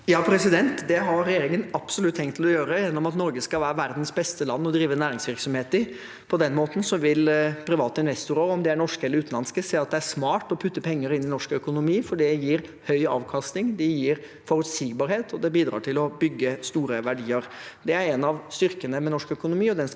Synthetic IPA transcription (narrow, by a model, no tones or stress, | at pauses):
jɑːpʰɾɛsɪd̪ɛnt̪d̪ɛɦɑɾɾɛjeːɾɪŋənɑb̥sɔlʉt̪ʰːɛŋt̪ʰːɪlɔjøːɾəjɛnːɔmɑt̪nɔɾɡəskɑlʋæːɾəʋæɾd̪n̩sbɛst̪əlɑnːɔd̪ɾiːʋənæːɾɪŋsʋɪɾksɔmheːt̪ɪ | pʰɔd̪ɛnmoːt̪n̩sɔʋɪlpʰɾɪʋɑːt̪əɪnʋɛst̪ʊɾəɔmd̪ɛæɳɔʂkəɛləɾʉːt̪n̩ɑnskəseːɑt̪̚d̪ɛæʂmɑːʈɔpʰʉt̪ːəpʰɛŋːəɾɪnːɪnɔʂkœkʊnʊmiːfɔɖɛjiːɾhœʏɑ̰ːʋkʰɑst̪nɪŋd̪ɛjiːɾ | fɔɾʉt̪siːɡbɑɾheːt̪ʰɔd̪ɛbiːd̪ɾɑ̰ːʈʰɪlɔbʏɡːəst̪uːɾəʋæɖiːəɾd̪ɛæɾɛnɑʋst̪ʏɾkənəmɛnɔʂkœkʊnʊmiːɔd̪ɛn